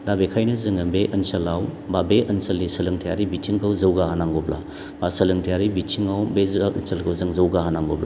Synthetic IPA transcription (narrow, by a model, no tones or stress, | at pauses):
dabekʰajnɐzɯŋɐbeʔɐnsɐlawbabeʔɐnsɐlisɐlɯŋtʰijaɾibitʰiŋkʰawzɐwɡahanaŋɡobla̰ | basɐlɯŋtʰijaɾibitʰiŋawbensɐlkʰɐwzɯŋzɐwɡahanaŋɡobla̰